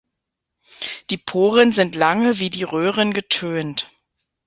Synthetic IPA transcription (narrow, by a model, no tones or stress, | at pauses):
d̥iːpʰoːʁənzɪntlaŋəviːdiːʁøːʁənɡətʰøːnt